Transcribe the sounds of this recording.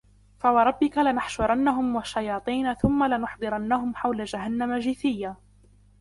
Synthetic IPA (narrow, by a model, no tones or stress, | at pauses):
fawɑɾˤɑbːɪkalɪnaħʃʊɾˤɑnːaɦʊmwaʃːajɑːt̪ˤiːnaθʊmːalɪnʊħd̪ˤɨɾɑnːaɦʊmħawlad͡ʒaɦanːamad͡ʒɪθɪjːaː